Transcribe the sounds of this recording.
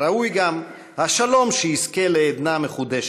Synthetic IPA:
aujɡam | haʃalo̞mʃehiske̞leːd̪nameχud̪eʃ

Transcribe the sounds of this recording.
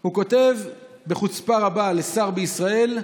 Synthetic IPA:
huko̞t̪e̞v | be̞χut͡spaʁabale̞saʁbeisʁae̞l

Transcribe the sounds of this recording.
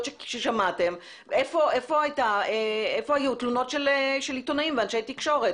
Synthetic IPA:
tʃeʃeʃamatem | efo̞ʔe̞fo̞ajtaeefohajut̪luno̞tʃeleʃelitonaimveanʃejtikʃo̞ʁet

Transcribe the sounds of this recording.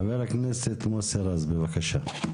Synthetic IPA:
veɾakneset̪moseɾazbevakaʃa

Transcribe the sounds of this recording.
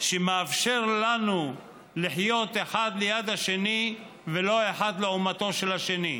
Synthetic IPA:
ʃemeafʃe̞ʁlanu | liħjo̞t̪e̞ħad̪lejad̪aʃe̞ni | velo̞e̞ħad̪leumat̪o̞ʃelaʃe̞ni

